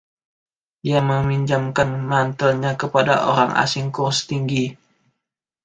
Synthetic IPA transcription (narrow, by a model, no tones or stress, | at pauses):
diaməmiɲd͡ʒamkanmant̪əlɲakəpada̰ʔoɾaŋʔa̰sɪŋkʊrst̪iŋɡi